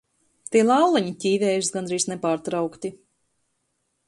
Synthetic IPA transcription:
t̪iːɛlˠawlˠaɲicʲiːvʲɛːjusɡanɾiːznepaːɾt̪ɾawkt̪i

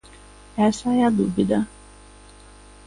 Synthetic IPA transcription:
ɛsɐɛd̪uvid̪ɐ

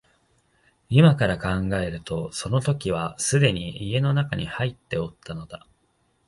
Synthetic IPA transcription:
imakaɾakãŋɡae̞ɾɯ̟t̪o̞so̞no̞t̪o̞kʲiβ̞asɨd̪e̞ɲ̟iːe̞no̞nakaɲ̟ihait̪ːe̞ot̪ːano̞d̪a

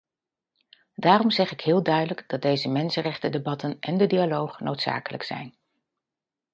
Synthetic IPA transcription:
d̥aːrɔmzɛχɪkɦɪːlˠdœɥdələɡdɑt̚dejzəmɛnsənrɛχtədebɑtənʔɛndədialowχnowtsa̰ːkələ̰ksɛ̰jn

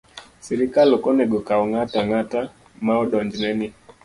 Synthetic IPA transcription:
sɛɾikalɔkɔnɛɡɔkaɔŋataŋata | maɔɗɔɲd͡ʒnɛni

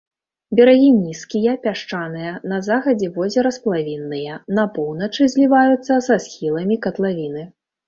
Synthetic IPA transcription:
bʲɛɾaɣʲinʲiskʲijɐpʲaʂt͡ʂanɨjɐnɐzaxɐd͡zʲɛvɔzʲɛɾɐsplˠavʲinːɨjɐnɐpɔwnɐt͡ʂɨzʲlʲivajut̪sːɐsasxʲilˠɐmʲikɐt̪lˠavʲinɨ

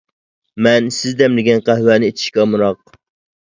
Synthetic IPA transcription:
mɛnsɪzd̪ɛmlɪɡʲɛnqæɦwænɪet̪ʰɪ̥ʃkʲɛmuɾɑq̚

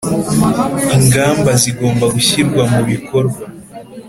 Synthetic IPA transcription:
iŋɡaːmbaziɡo̞ːmbaɡuçiɾɡwamuβikʰo̞ɾɡwa

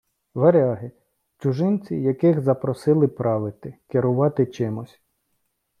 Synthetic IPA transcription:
ʋeɾʲɑɦɪ | t͡ʃʲʊʒɪnʲt͡sʲijɐkɪxzɐpɾɔsɪlˠɪpɾɑʋɪt̪ɪkɪɾʊʋɑt̪ɪt͡ʃɪmʊsʲ

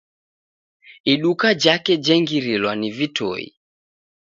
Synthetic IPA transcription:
iɗukad͡ʒakɛd͡ʒɛŋɡiɾilwanivito̰ḭ

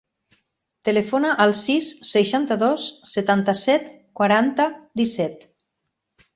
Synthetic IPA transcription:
t̪əlefonaʔəlˠsisːəʃant̪əðosːət̪ant̪əsɛt̪ | kwaɾant̪əd̪isɛt̪

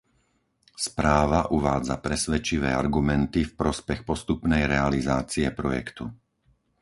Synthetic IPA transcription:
spɾaːʋaʔuʋaːd͡za̰pɾɛsʋɛt͡ʃiʋɛ̰ːa̰ɾɡumɛnt̪ifpɾɔspɛxpɔst̪upnɛjɾɛalizaːt͡siɛpɾɔjɛ̰kt̪u

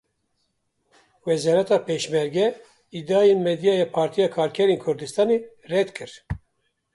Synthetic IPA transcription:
wɛzɑɾɛt̪ɑːpeːʃmɛɾɡɛ | id̪ɑːjenmɛd̪ijɑːjɛːpʰɑːɾt̪ʰijɑːkʰɑːɾkʰɛɾeːnkʰʊɾd̪ɨst̪ɑːne | rɛd̪kʰɨɾ

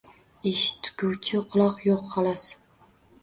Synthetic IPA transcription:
ɪʃt̪ʰːʊ̥kʲʰuwt͡ʃʰɪqʰʊlˠɒqjoqhɑlas

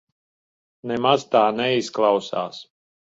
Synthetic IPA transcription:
nɛmazt̪aːnɛisklˠawsa̰ːs

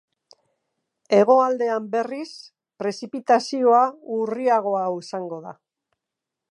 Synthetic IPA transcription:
e̞ɣ̞o̞ald̪e̞ambe̞ris | pɾe̞sipit̪asio̞auriaɣ̞o̞aisaŋɡo̞ða̰

